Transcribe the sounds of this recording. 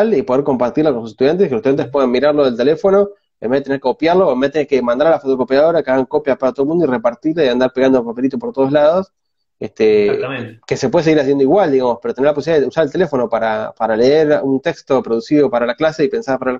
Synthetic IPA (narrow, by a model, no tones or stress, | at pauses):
lipo̞ð̞eɾko̞mpaɾt̪iɾlako̞nsuse̥t̪uðjanekelst̪ujant̪ehpweðanmiɾaɾloðe̞lt̪e̞le̞fo̞no̞ | emeet̪eneɾkekopjaɾloemet̪enekemand̪aɾalafot̪okopjaðo̞ɾakeaɣaŋkopjapaɾat̪o̞mund̪oirepaɾt̪iɾlaiand̪aɾpeɣand̪oapape̞lit̪̬opoɾt̪oð̞o̞zlaðos | est̪e | ke̞sepweðas̬eiɾas̬jend̪oiɣwald̪iɣamospeɾot̪eneɾlaposiljaðeeusaɾelt̪ele̞fo̞no̞paɾapaɾaleeɾunt̪e̞kst̪o̞pɾo̞ðusiðo̞paɾalaklase̞ipe̞nsaɾpaɾal